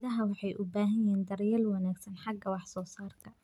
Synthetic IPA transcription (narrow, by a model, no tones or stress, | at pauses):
ɐɦɐwɑħɑjʔʊbaːɦɐjɛːnd̪ɐrjɛlwɑnaːɡsɐnħɑɡɐwɑħsɔːsaːrkʰɐ